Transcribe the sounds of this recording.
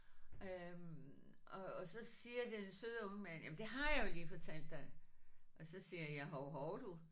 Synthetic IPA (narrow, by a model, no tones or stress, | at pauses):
ø | ʔɒ̽ːsɒ̽siːɐd̥ensøð̞ˠɔ̽ŋəmæn̰jæmnd̥e̝ɦɑ̈jɑjoliːfɒ̽t͡sʰæl̰d̥ːɑɪʔɒ̽sɒ̽siːɐjæɦɒʊɦɒʊd̥u